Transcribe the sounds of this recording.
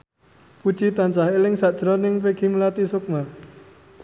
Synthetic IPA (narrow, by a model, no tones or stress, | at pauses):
put͡ʃit̪ant͡ʃaɦelɪŋsaʔd̥ʒ̥ɾɔnɪŋpeɡ̥imulat̪isʊk̚ma